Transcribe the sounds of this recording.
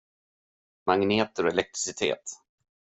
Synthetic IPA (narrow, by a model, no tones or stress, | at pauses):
maŋneːt̪əɾɔɛlɛk̚t̪ɾɪ̥sɪt̪ʰḛːt̪